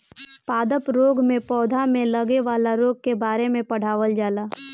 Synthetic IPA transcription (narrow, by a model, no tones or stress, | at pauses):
paːd̪əpɾoːɡmẽpɔːd̪ʱamẽləɡeʋaːlaɾoːɡ̚kebaːɾemẽpɐɽ̤aːʋəld͡ʒaːlaː